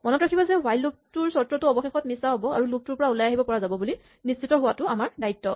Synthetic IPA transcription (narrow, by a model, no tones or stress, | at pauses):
mɔnɔtɹakʰibɔzɛwajlːuk̚tʊɹsɔtɹɔtʊɔbɔxexɔt̚misaɦɔbɔa̰ɹuluk̚tʊɹpɔɹaulajaɦibɔpɔɹazabɔbuli | nisitɔɦʊwatʊamaɹdaitːɔ